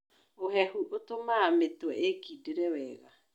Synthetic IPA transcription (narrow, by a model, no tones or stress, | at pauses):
oɦɛhuʔotomaːmetwɛekideɾɛwɛːɣa̰